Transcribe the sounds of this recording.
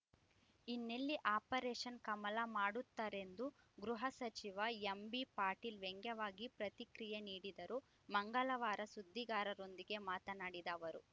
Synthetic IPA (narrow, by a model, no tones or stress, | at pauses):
inːelːiʔaːpɐɾeːʂɐnkɐmɐlɐmaːɽut̪ːaːɾe̞nd̪u | ɡɾuɦɐsɐt͡ʃiʋɐembipaːɾʈilʋeŋɡjɐʋaːɡipɾɐt̪ikɾijeniːɽid̪ɐɾu | mɐŋɡɐlɐʋaːɾɐsud̪ʱːiɡaːɾɐɾo̞nd̪iɡe̞maːt̪ɐnaːɽid̪ɐːʋɐɾu